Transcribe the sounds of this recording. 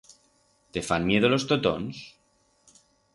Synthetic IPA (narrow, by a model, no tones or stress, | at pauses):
t̪efanmje̞ðolo̞st̪ot̪o̰ns